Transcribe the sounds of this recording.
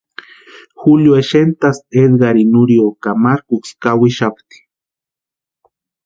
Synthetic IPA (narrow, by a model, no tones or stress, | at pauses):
xuljoeʃent̪ased̪ɡaɾinuɾiokamaɾkukskawiʃapt̪i̥